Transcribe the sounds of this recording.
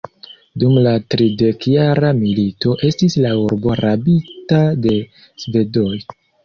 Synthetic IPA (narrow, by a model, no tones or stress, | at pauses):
dumlatɾide̞kjaɾamilito̞ʔe̞stislauɾbo̞ɾabitade̞ | sve̞do̞j